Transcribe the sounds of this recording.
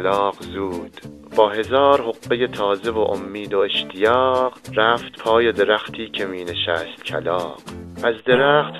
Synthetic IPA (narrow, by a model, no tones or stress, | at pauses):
lɒːqzuːd̪̥ | b̥ɒːɦe̞zɒːɾhoqːe̞jet̪ʰɒːze̞voʔomːiːd̪oeʃt̪ʰijɒːɢɾæːft̪pʰɒːjed̪e̞ɾæxt̪ʰiːcʰe̞miːneʃæːst̪cʰæ̰lɒːqʔæzd̪e̞ɾæːxt̪